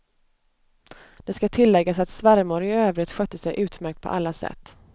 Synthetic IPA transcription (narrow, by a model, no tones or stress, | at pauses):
d̪̥ɛskat̪ʰɪlːɛɡːasat̪svaɾmʊɾɪøːvɾɪt̪ɧøːt̪ːəsɛjʔʉ̟ːt̪mæɾk̚t̪̚pʰɔ̰ʔalːasɛ̰t̪ː